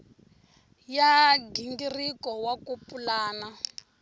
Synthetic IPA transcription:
jadindirikɔwakupulaːna

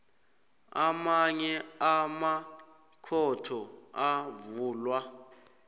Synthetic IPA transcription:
amaɲɛama | kʰɔtʰɔavuːlwa

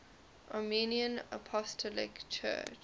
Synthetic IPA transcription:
ʔaminiə̃nə̰pʰɔstʰɔlɪ̰kt͡ʃʰɜ̰ːt͡ʃ

